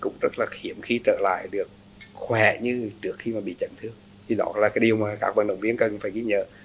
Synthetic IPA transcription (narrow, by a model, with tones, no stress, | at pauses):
kʊ̰˧˥ŋ͡mzə˦˥t̚laː˨˩hi˧˩əmxi˧t͡ɕə̰ː˧˨la̰ː˧˨jɗɨ˨˩ək̚ | xwɛ˧˩ɲɨ˧t͡ɕɨ˦˥ək̚xi˧maː˨˩ɓḭ˧˨t͡ɕə̰˧˨nt̪ʰɨ˧əŋ | t̪ʰi˨˧˩ɗɔ̰˨˦laː˨˩kaː˨˦ɗi˨˩əwmaː˨˩ka̰ː˦˥k̚va̰˧˨nɗə̰˧˨wŋ͡mvi˧ənkə˨˩nfaː˧˩jɣi˧˦ɲə̰ː˧˨